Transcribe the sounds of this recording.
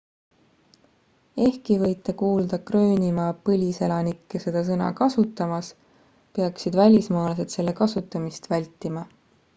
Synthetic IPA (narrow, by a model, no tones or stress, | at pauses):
e̞hkivɤ̞jt̪ːˑekuːld̪̥ɑkrø̞ːnʲimɑːpɤlʲise̞lɑnikːese̞d̪̥ɑs̬ɤnɑ̰kɑsut̪ːˑɑmɑs | peɑksid̪vælʲismɑːlse̞d̪̥se̞lːe̞kɑsut̪ːˑɑmist̪vælʲt̪ːˑimɑ